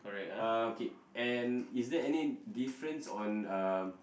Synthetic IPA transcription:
kɔɹɛkaoke | ɛ̃nisdɛɛnidifɹə̃nsɔ̃na

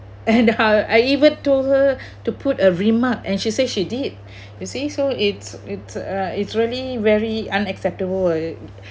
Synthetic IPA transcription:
ɛ̃naaɪivə̃ntolhə | tupʰutəɹĩmak̚ɛ̰̃nʃiseʃidid̚ | jusisoɪtsitsʌitsɹiəlivɛɹiãnɛksɛp̚təbəl

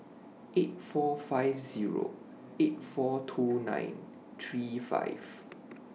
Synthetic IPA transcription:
ʔet̚fɔfaɪvziɹo̰ | et̚fɔtʰunã̰ɪ̃n | t̪ʰɹifa̰ɪv̥

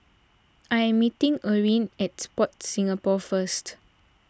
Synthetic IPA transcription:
ʔajɛ̃mːitĩŋəɹĩnɛt̚spɔt̚sĩŋapɔfəst

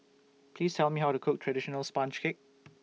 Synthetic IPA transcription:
pʰliːstʰɛlmiɦawtukʰʊk̚tʰɹadɪʃə̃nəlspãnt͡ʃkʰɪk̚

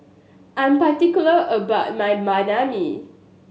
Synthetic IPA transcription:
ʔãnpatikjuləʔəbaʊt̚majmanami

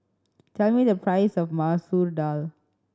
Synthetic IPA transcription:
tʰɛlmidəpʰɹaɪsɔfmasuɹdal

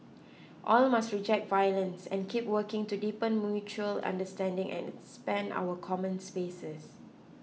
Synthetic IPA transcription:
ʔɔlmastɹid͡ʒɛk̚t̚vajlə̃nsɛ̰̃nkʰipwəkɪ̃ŋtudipə̃nmjut͡ʃuəlã̰ndəstɛ̃ndɪ̃ŋʔɛ̰̃nspɛ̃nda̰wəkʰɔmə̃nspesəs

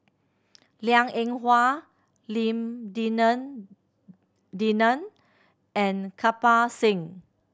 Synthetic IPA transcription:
ljãŋẽŋɦwa | lĩmdinə̃n | dinə̃n | ɛ̃nkʰapasĩŋ

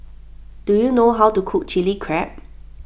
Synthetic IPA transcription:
d̥ujunoɦawtukʰuk̚t͡ʃilikʰɹɛp̚

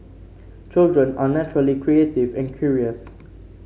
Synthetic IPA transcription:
t͡ʃɪldɹə̃nanæt͡ʃʊɹəlikʰɹieːtɪvɛ̃nkʰjuːɹiəs

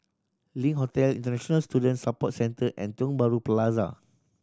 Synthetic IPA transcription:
lĩŋɦotɛlḭ̃ntənɛʃɔ̃nəlstudə̃nsapɔt̚sɛ̃ntəʔɛ̃ntɔ̃nbaɹuplaza̰

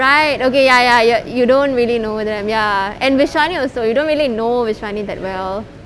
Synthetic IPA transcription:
ɹaɪtokejajajajudõntɹiəlinod̪d̪ɛ̃mjaɛ̃nʋɪʃwaniɔlsojudõːnɹiəlinovɪʃwanid̪ɛt̚wɛl

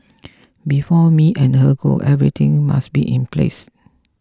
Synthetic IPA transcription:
bifɔmiʔɛ̃nhəɡo̰ʔɛvɹit̪ʰɪ̃ŋma̰sbiʔĩnplḛs

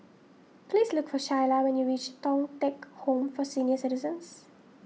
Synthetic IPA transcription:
pliːzlʊkfɔʃaɪlaʋɛ̃njuɾiːt͡ʃtɔ̃ŋʈɛkhõːmfɔsĩːniəɾsɪʈɪzə̃ns

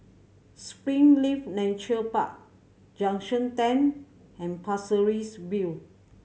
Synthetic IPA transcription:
spɹĩŋlifnɛ̃t͡ʃəlpa̰k̚ | d͡ʒãŋʃə̃ntɛ̃n | ɛ̃npʰasəɹisbil

